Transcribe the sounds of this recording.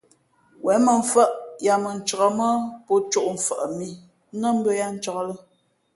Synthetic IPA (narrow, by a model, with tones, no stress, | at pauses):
wɛ˨˦mə˨ɱ̩˨fə˦ʔja˨mə˨n̩˨t͡ʃə˨ɣə˨mə˦po˦t͡ʃu˦ʔɱ̩˨fə˨ʔmi˨˦ | nə˦m̩˦bə˦ja˦n̩˦t͡ʃə˨kə˦lə˦